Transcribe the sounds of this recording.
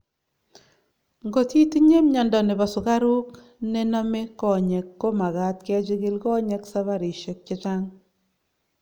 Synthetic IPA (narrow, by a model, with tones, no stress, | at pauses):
ŋɡo˨ti˦ti˦ɲe˦mɲa˨ndɔ˨nɪ˨ba˨sʊ˨ka˦ɾu˦k | nɛ˦na˦me˦kɔ˨ɲɛ˨kːo˦ma˨ɡa˨˦tkɛ˦t͡ʃɪ˦ɡɪ˦lkɔ˦ɲɛ˦ksa˦βa˦ɾi˨ʃe˨k̚t͡ʃɪ˦t͡ʃa˦ŋ